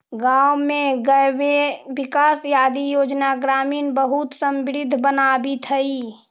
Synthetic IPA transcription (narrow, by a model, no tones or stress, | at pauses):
ɡaːwmẽɡəweʋɪkaːsjaːd̪ijoːd͡ʒnaɡɾaːmiːnbəɦut̪sə̃mbɪɾɪd̪ʱːbənaːbit̪ʰəi